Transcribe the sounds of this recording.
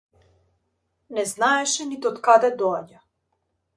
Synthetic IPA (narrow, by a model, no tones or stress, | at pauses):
nɛznaɛʃɛnit̪ɛɔt̪kad̪ɛd̪ɔaɟa